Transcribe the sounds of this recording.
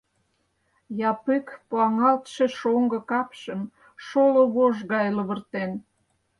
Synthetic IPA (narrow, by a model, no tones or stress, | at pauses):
jɑpykpoɑŋɑlt̪ʃeʃoŋɡɤ̆kɑpʃəm | ʃoloβoʒɣɑjlə̆βə̆rt̪en